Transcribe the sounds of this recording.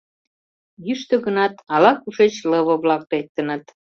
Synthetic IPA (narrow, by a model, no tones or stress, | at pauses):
jyʃt̪ə̆ɣənɑt̪ɑlɑkuʃet͡ɕləβə̆βlɑk̚lek̚t̪ːə̆nə̆t̪